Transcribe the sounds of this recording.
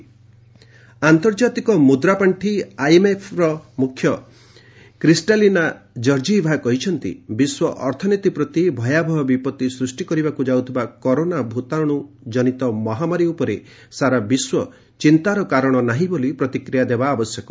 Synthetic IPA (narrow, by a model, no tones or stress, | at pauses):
ant̪ɔɾd͡ʒat̪ikɔmud̪ɾapaɳʈʰiajemepʰɾɔmukʰːjɔ | kɾisʈalinad͡ʒɔɾd͡ʒibʱakɔɦit͡ʃʰɔnt̪ḭbiswɔʔɔɾt̪ʰɔnit̪ipɾɔt̪ibʱɔjabʱɔɦɔbipɔt̪isɾusʈikɔɾibakud͡ʒawt̪ʰibakɔɾonabʱut̪aɽ̃u | d͡ʒɔnit̪ɔmɔɦamaɾiupɔɾe | saɾabiswɔ | t͡ʃint̪aɾɔkaɾɔɽ̃ɔnaɦĩbolipɾɔt̪ikɾijad̪ebaːbɔsjɔkɔ